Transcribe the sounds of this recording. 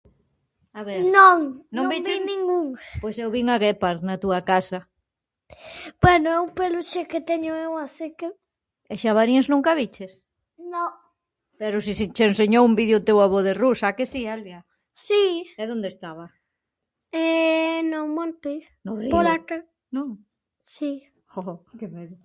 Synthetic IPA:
aβeɾnõŋnõŋõbit͡ʃinĩŋɡuŋpojsewβiŋaɣepaɾðnɐt̪uɐkasɐ | b̥wɛnʊɛupeluʃekɪt̪ɛɲʊewasekɪ | ɛʃaβaɾiznũŋkɐβit͡ʃɪs | nõ | pɛɾʊsisit͡ʃenseɲowumbiðjʊt̪ewaβoðerusakesialβja | siɛðõnd̪est̪aβɐ | ɛnõmõnt̪e | nʊripoɾaka | nõŋ | si | okemeðʊ

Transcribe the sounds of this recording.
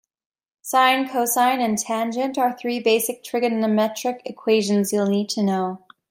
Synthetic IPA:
sãɪ̃nkʰoʊsãɪ̃nɨ̃ntʰæ̃nd͡ʒɨ̃ntə˞θɹibeɪsɨk̚tʰɹ̥ɪɡɨdnɨmɛt͡ʃɹ̥ɨkɨkʰw̥eɪʒɨ̃n̩zjul̩ˠnid̚tʰɨnoʊ

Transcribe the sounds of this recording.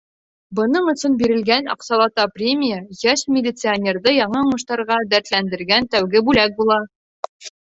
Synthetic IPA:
bɤ̆nɤɴŏsɤnbiɾɘ̆lɡænɒ̰qsɑlˠɑt̪ɑprʲemʲijəjæʃmʲɪlʲɪt̪sɨanʲe̞rd̪ɤjɒɴɑuɴɤ̆ʃt̪ɑɾʁɑd̪æɾt̪lænd̪ɘ̆ɾɡænt̪æwɡɘbʉlæk̚bulˠɑ

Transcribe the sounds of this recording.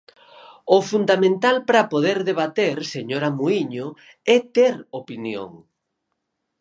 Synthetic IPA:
ʊfund̪amẽnt̪alpɾapoðeɾðeβat̪eɾseɲoɾamuiɲʊ | ɛt̪eɾopinjo̰ŋ

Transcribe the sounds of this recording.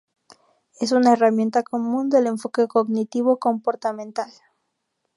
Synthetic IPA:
e̞s̬unaeramje̞nt̪ako̞mũnd̪e̞le̞ɱfo̞ke̞koɡnit̪iβoko̞mpo̞ɾt̪amẽnt̪al

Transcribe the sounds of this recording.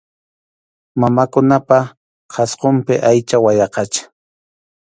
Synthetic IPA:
mamakʊnapa | qʰɑsqompɪʔajt͡ʃawajɑqɑt͡ʃḁ

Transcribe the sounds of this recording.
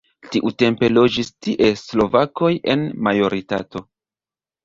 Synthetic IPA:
tiʔute̞mpe̞lo̞d͡ʒistiʔe̞slo̞vako̞jʔe̞̰nmajo̞ɾita̰to̞

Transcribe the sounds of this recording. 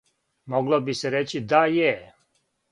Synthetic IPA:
moɡlobiseɾet͡ɕid̪aje

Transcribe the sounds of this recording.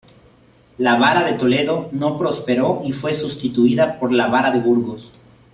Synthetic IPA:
laβaɾaðe̞t̪o̞le̞ðo̞no̞pɾo̞spe̞ɾo̞ʔifwe̞sust̪it̪uiðapo̞ɾlaβaɾaðe̞βuɾɣo̞s

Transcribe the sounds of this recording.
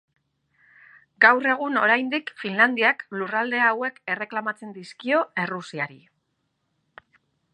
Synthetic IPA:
ɡawre̞ɣ̞uno̞ɾajnd̪ikfinland̪iaklurald̪e̞aːwe̞ke̞re̞klamat͡se̞nd̪iskio̞e̞rusiaɾḭ

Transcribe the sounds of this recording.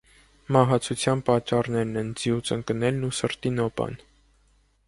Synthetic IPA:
mɑɦɑt͡sʰut͡sʰjɑnpɑt͡ʃːɑrnɛɾnɛnd͡zjut͡səŋkənɛlnusəɾt̪inɔpɑ̰n

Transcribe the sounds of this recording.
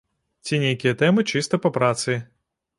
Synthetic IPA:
tʲenʲejkʲɪjət̪ɛmɨt͡ɕist̪əpɐpɾat̪sɨ

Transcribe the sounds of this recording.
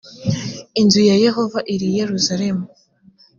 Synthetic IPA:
inzujaje̞ho̞vaʔiɾije̞ɾuzaɾe̞mu

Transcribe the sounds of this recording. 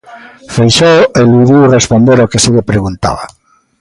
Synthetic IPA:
fejʃoweluðiwrespond̪eɾokeseʎepɾeɣunt̪a̰βa̰

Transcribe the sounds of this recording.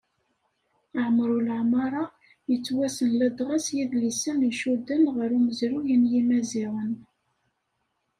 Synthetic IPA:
ʕəmɾulʕmɑɾˤɑ | jət͡sːwæsənlæd̪ʁɑsjiðlisəmiʃud̪ənʁəɾuməzɾujənjimæziʁən

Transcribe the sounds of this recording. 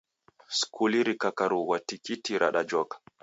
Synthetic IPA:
skʰuliɾikakaɾuwatikitiɾʔa̰ɗad͡ʒɔkḁ

